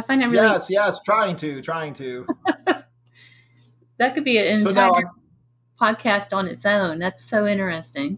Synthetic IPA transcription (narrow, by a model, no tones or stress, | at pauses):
aɪfãɪ̃nɨvɹijɛsjɛstʰɹ̥aɪɪ̃ŋtʰʉtʰɹ̥aɪɪ̃ŋtʰʉ | ðɨt̚kɨd̚biɨɪ̃nttʰaɪə˞ | pʰɑd̚kʰæstn̩ɨtsõʊ̃nðætsoʊɪ̃ñə˞ɨstɪ̃ŋ